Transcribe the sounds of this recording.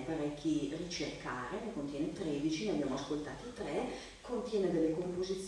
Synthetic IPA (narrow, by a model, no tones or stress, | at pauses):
paɾɛkʰʲːirit͡ʃerkaːɾenekont̪jɛːnet̪ɾeːd̪it͡ʃineabjaːmoaskolt̪aːt̪ot̪ɾɛ | kont̪jɛːned̪elːekompozit̪sː